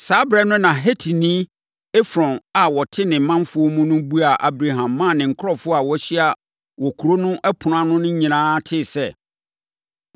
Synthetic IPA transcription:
saː˨˦bɾɛ˦nʊ̃˦nã˨ɦe˦tʰi˨nĩ˦ | ɛ˦fɾɔ̃˨na˨wɔ˨tʰɪ˦nɪ̃˨m̩˨mã˦mfʊ˦ɔ˦mũ˦nʊ̃˦bu˦a˨ʔa˨bɾa˨ɦã˨mːã˦˨nɪ̃˨ŋ̩˨kʰʊ˦ɔ˨fʊ˦a˨wɔ˦ɕi˦a˨ | wɔ˨kʰu˨ɾo˦nʊ̃˦ʔɛ˦pʰʊ˨n˦ã˦nʊ̃˦nʊ̃˦ɲĩ˨nãː˦tʰɪ˦˨sɛ˦

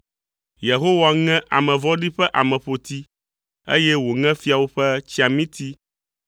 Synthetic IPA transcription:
je˨ɦo˦wa˦ŋɛ̃˦ʔa̰˨mɛ̃˨vɔ˦ɖi˦ɸɛ˦ʔa˨mɛ̃˨ɸo˨t̪i˦ | ḛ˦jɛ˦wo˨ŋɛ̃˦fi˦a˨wo˦ɸɛ˦t͡ɕi˦a˨mĩ˦t̪ʰi˦

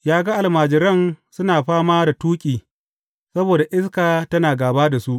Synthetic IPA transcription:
jaː˦ɡɐ˦ʔa˨lmaː˨d͡ʒɪ˨ɾɐ˦˨nsʊ˦naː˨ɸaː˦maː˦da˨tuː˦kʲʼiː˨ | sɐ˦boː˨da˨ʔɪ˦s̬kaː˨tɐ˦naː˨ɡaː˨baː˦da˨su˦ʔ

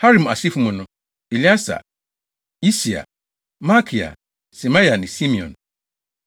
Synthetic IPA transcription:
ha˦ɾĩ˨ma˨si˦fu˨˦mũ˨nʊ̃˦ | i˨li˦a˦sa̰˨ | i˦si˨a̰˨ | ma˦kʰi˨a̰˨ | si˨mã˦ja˨nɪ̃˨si˦mĩ˨ɔ̰̃˨n

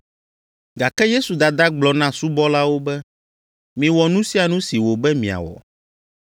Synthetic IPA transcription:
ɡa˨kɛ˦je˦su˨d̪a˨d̪a˦ɡ͡blɔ˨nã˦su˦bɔ˦la˦wo˦bɛ˦ | mĩ˨wɔ˨nũ˦si˦a˨nũ˦si˨wo˨bɛ˦mĩ˨a̰˨wɔ̰˨

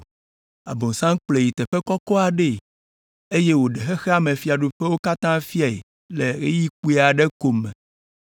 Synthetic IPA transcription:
a˨bo˨ŋsã˦ŋk͡ple˨ji˨t̪ɛ˨ɸɛ˦kɔ˦kɔ˦a˨ɖe˦˨ | e˦je˦wo˨ɖe˨xɛ˦xɛ˦a˦mẽ˨fi˨˦a˨ɖu˨ɸɛ˦wo˦ka˦t̪ã˦fi˦a˨e˨ | lɛ˨ɣe˦ji˦k͡pu˦e˨˦a˨ɖɛ˦ko˨mːɛ̰̃˨

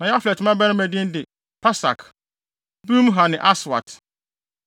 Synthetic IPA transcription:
nã˨ja˦flɛ˨tʰɪ˨mã˦bæ˦ɾɪ̃˦mæ˨dɪ̃˦n˦dɪ˨ | pʰa˦sa̰˨kʰ | bũ˦m˦ɦa˨nɪ̃˨ʔa˦swa̰˨t

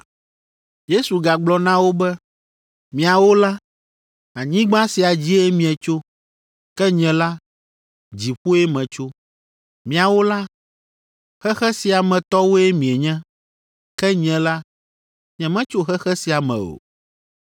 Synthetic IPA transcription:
je˦su˨ɡa˨ɡ͡blɔ˨nã˦wo˦bɛ˦ | mĩ˨a˨wo˦la˦ | a˨ɲĩ˦ɡ͡bã˦si˨a˨d͡ʑi˦e˦mĩ˨ɛ˨t͡ʃo˦ | kɛ˦ɲɛ̃˨la˦ | d͡ʑi˨ɸu˦ɛ˦mɛ̃˨t͡ʃo˦ | mĩ˨a˨wo˦la˦ | xɛ˦xɛ˦si˨a˨mɛ̃˨t̪ɔ˦wo˦ɛ˦mĩ˨ɛ˨ɲɛ̃˦ | kɛ˦ɲɛ̃˨la˦ | ɲɛ̃˨mɛ̃˦t͡ʃo˦xɛ˦xɛ˦si˨a˨mɛ̰̃˨o̰˨

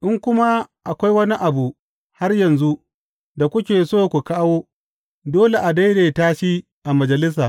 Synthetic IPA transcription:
ʔɪ˦ŋkʷʊ˦ma˦ʔa˨kʷa˦jwɐ˦ni˦ʔa˨bu˨ | ha˦rjɐ˨nzu˦ | da˨kʷʊ˦kʲeː˨soː˦kʷu˨kaː˦woː˦ | doː˦le˨ʔa˨da˦jɽeː˨taː˦ʃi˦ | ʔa˨mɐ˨d͡ʒɐ˨lɪ˦s̬aː˨

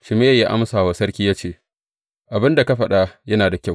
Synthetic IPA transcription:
ʃɪ˨me˦jja˦ʔa˦msaː˨waː˨sɐ˦rkʲiː˦jaː˦t͡ʃeː˦˨ | ʔa˨bɪ˦nda˨ka˦ɸɐ˨ɗa˦jɐ˦naː˨da˨kʲa˦˨w

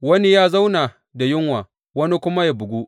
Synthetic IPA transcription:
wɐ˦ni˦jaː˦za˦wnaː˨ | da˨jɪ˦ŋwaː˨ | wɐ˦ni˦kʷʊ˦ma˦ja˨bʊ˨ɡʷu˦

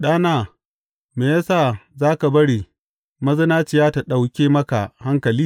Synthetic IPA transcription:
ɗaː˦naː˦˨ | meː˨jɐ˦saː˦˨zaː˦ka˨bɐ˦ɽi˨ | mɐ˦zɐ˦naː˦t͡ʃɪ˨jaː˦ta˨ɗa˨wkʲeː˦mɐ˦ka˨ha˦ŋkɐ˨liː˦

